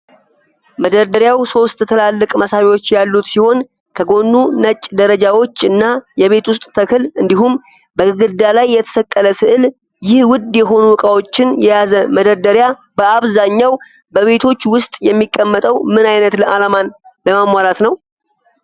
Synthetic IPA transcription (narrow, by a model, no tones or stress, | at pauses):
məd̪əɾd̪əɾjawso̞st̪ʼt̪ʰəlalːɨkʼməsaβwo̞t͡ʃːjalːut̪siho̞n | kʰəɡo̞nːunət͡ʃʼːd̪əɾəd͡ʒawo̞t͡ʃːɨnːajɛβe̞t̪wʊst̪ʼt̪ʰəkʰɨlɨnd̪ihum | bəɨɡɨd̪alajːɛt̪ʰə̥səkʼːələsɨʔɨl | jɪhwʊd̪jɛɦo̞nuwɨkʼawo̞t͡ʃːɪnjɛjazəməd̪əɾd̪əɾja | bəaβzaɲːaw | bəβe̞t̪ʰo̞t͡ʃːwʊst̪ʼjɛmːikʼːəmːət̪ʼəwmɨnajnət̪ləʔalamanləmamwalat̪nəw